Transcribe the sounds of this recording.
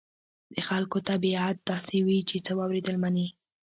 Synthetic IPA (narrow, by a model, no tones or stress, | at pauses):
d̪̥əxalkot̪abiat̪̚d̪ɑsewit͡ʃet͡səwɑwɾed̪əlmani